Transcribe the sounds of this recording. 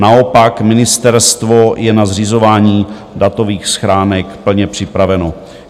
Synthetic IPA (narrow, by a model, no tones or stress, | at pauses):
nao̞pakmɪnɪst̪ɛɾst̪vo̞jɛnazr̝izo̞vaːɲiː | dat̪o̞viːxsxɾaːnɛkpl̩ɲɛpr̝̥ɪpɾavɛno̞